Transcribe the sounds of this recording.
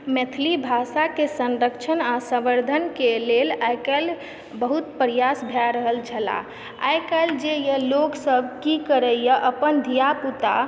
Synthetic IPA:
met̪ʰlibʱasakesə̃nɾəkt͡ʃʰənasə̃bəɾd̪ʱənkelelajkal | bəɦut̪pəɾijasbʱjaɾəɦəlt͡ʃʰəla̰ | a̰jkald͡ʒejəloksəbkikəɾəjjəʔəpənd̪ʱijaput̪a

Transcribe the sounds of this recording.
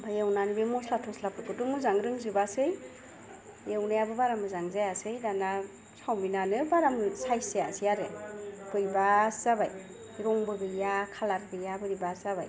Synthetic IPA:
bajewnanibemɔslatʰɔslapɯkɯtuŋmuzaŋɾɯŋzɯbasɯj | jewnajabɯbaɾamɯzaŋzajasɯjdana | sawminanɯbaɾamsajsejasijaɾɯkɯjbaszabaj | ɾɔŋbɯɡɯjakʰalaɾɡɯjabɯɾibaszaba̰j

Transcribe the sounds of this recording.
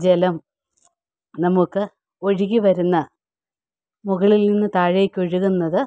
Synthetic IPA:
d͡ʑelɐm | nɐmukːɨ | o̞ɻiɣiʋɐɾunːɐ | muɣɐɭilninːɨt̪aːɻeːkʲːoɻiɣunːɐðɨ

